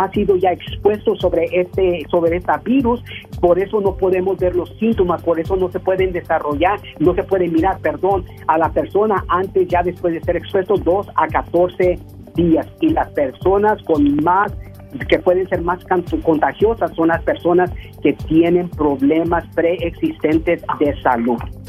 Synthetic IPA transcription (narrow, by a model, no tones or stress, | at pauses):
asiðo̞ʝaekspwe̞st̪osoβɾeʔt̪eso̞βɾeest̪abiɾuspo̞ɾe̞so̞no̞po̞ðe̞mo̞zbe̞ɾlo̞sint̪o̞maspo̞ɾe̞so̞no̞se̞pwe̞ðe̞nd̪e̞saro̞ʝaɾ | no̞se̞pwe̞ðe̞miɾaɾpe̞ɾðo̞n | alape̞ɾso̞naʔant̪e̞sʝaðe̞spwe̞zðese̞ɾekspwe̞st̪o̞d̪o̞sakat̪o̞ɾse̞ | ðiasilaspe̞ɾso̞nasko̞nmas | ke̞pwe̞ðense̞ɾmaskako̞nt̪axjo̞sasːo̞nlaspe̞ɾso̞nas | ke̞t̪je̞nẽ̞mpɾo̞βle̞maspɾe̞ːksist̪ent̪e̞zðe̞saluð